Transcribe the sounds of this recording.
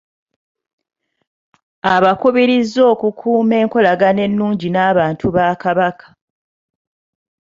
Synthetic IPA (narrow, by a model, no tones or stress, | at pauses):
aβakuβiɾizo̞ːkukʰuːme̞ːŋko̞laɡane̞nːuːɲɟinaːβaːntʰuβakaβakʰḁ